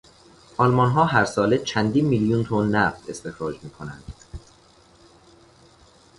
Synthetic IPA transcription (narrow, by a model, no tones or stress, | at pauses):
ʔɒlmɒnɦɒːɦæɾsɒːlet͡ʃʰænd̪iːnmiːljunt̪ʰonːæft̪ʰe̞st̪e̞xɾɒːd͡ʒmiːkʰo̞næ̰nd̪̥